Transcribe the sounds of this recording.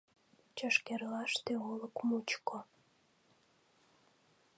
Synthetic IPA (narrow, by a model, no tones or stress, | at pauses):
t͡ɕəʃkerlɑʃt̪eoləkmut͡ɕko